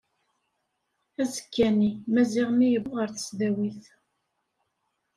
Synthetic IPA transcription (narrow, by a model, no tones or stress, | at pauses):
æzə̥kːænimæziʁmijəvʊʁəɾθə̥sðæwiθ